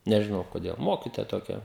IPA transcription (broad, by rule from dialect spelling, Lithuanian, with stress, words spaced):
nʲɛʒʲɪˈnɐʊ koːˈdʲeːlˠ ˈmoːkʲɪtoːjɛ toːˈkʲɛ